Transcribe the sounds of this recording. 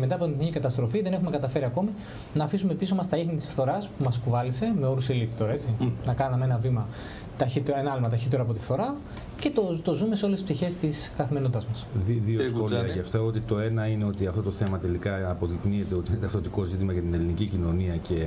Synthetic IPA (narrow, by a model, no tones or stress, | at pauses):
me̞t̪ɐːpoinθnicikɐt̪ɐst̪ɾo̞fiðe̞ne̞xume̞kɐt̪ɐfe̞ɾiɐko̞mi | nɐːfisume̞piso̞mɐst̪ɐixnit̪isfθo̞ɾɐspumɐskuvɐlise̞me̞o̞ɾuselit̪it̪o̞ɾɐe̞t͡sinɐkɐnɐmeenɐvimɐ | t̪ɐçit̪eenɐɐlimɐt̪ɐçit̪eɾoɐpo̞t̪ifθo̞ɾɐ | ce̞t̪ot̪o̞zumeseo̞lesispt̪içe̞st̪iskt̪ɐθime̞not̪t̪ɐzmɐsiðiosxolɐʝɐft̪ɐot̪it̪o̞e̞nɐineo̞t̪iɐft̪o̞t̪oθe̞mɐt̪e̞likɐːpo̞ðiknie̞t̪e̞o̞t̪inet̪ɐfθot̪iko̞zit̪imɐʝɐt̪ine̞linicicino̞niɐce̞